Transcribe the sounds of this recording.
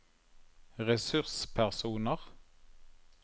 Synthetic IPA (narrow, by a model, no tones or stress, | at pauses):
ʁɛsʉʁspʰæʁsuːnəʁ